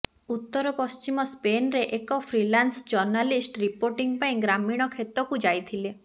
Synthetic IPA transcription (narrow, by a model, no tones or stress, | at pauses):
ut̪ːɔɾɔpɔst͡ʃimɔspenɾeʔekɔpʰɾilansd͡ʒɔɾnalisʈɾipoɾʈiŋpaĩɡɾamiɽ̃ɔkʰet̪ɔkud͡ʒajt̪ʰile